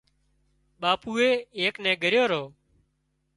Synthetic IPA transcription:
ɓaːpuːeːeːknɛ̃ːɡʱəɾjoːɾoː

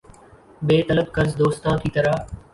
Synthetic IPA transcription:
beːt̪ələbkəɾzd̪oːst̪ãːt̪ʰiːt̪əɾaː

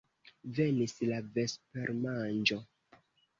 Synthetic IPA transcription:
ve̞nislave̞spe̞ɾmand͡ʒo̞

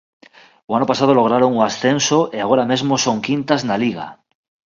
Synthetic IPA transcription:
oanopasað̞oloɣ̞ɾaɾoŋoasθensoʔeaɣ̞oɾame̞zmosoŋkint̪aznaliɣ̞a̰

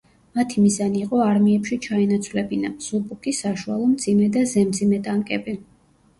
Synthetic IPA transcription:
mat̪ʰimizaniːqʼɔaɾmiɛpʃit͡ʃʰaɛnat̪sʰvlɛbina̰z̥ubʼukʰisaʃualˠɔmd̪zimɛd̪azɛmd̪zimɛt̪ʼaŋkʼɛbi

